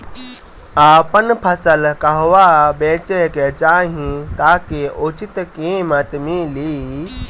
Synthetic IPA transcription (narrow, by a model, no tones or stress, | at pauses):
aːpənpʰəsəlkɐɦʋabeːt͡ʃeket͡ʃaːɦĩt̪aːkeʔut͡ʃit̪kiːmət̪miliː